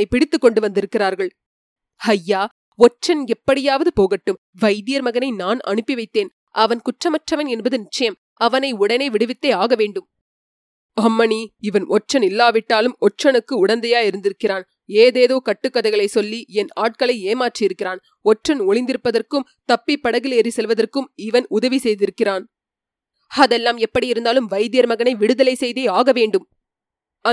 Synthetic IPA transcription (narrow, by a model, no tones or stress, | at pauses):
ɐɪpɪɽɪt̪ːɯkːɔɳɖɯʋɐnd̪ɪɾɯkːɪraːɾɣɐɭ | hɐjːaː | ɔt͡ʃːɐnɛpːɐɽɪjaːʋɐðɯpoːɣɐʈːɯm | ʋɐɪðɪjɐɾmɐɣɐnɐɪnaːnɐ̰ɳɯpːiʋɐɪt̪ːeːn | ʔɐʋɐnkʊʈrɐmɐʈrɐʋɐnɛnbɐðɯnɪt͡ʃːɐjɐm | ɐʋɐnɐɪʊɽɐnɐɪʋɪɽɯʋɪt̪ːeːaːɣɐʋeːɳɖɯm | ɐmːɐniɪʋɐnʔɔt͡ʃːɐnɪlːaːʋɪʈːaːlɯmɔt͡ʃːɐnɯkːɯʊɽɐnd̪ɐjaːɪɾɯnd̪ɪɾɯkːɪraːn | eːðeːðoːkɐʈːɯkːɐðɐɪɣɐɭɐɪsɔlːiɛnaːʈ̚kɐɭɐɪeːmaːʈrijɪɾɯkːɪraːn | ɔʈrɐnɔɭɪnd̪ɪɾɯpːɐðɐrkɯmt̪ɐpːipːɐɽɐɣɪlɛɾisɛlʋɐðɐrkɯmɪʋɐnʊðɐʋisɛjðɪɾɯkːɪraːn | ɐðɛlːaːmɛpːɐɽiɪɾɯnd̪aːlɯmʋɐɪðɪjɐɾmɐɣɐnɐɪʋɪɽɯðɐlɐɪsɛjðeːaːɣɐʋeːɳɖɯm | ɐ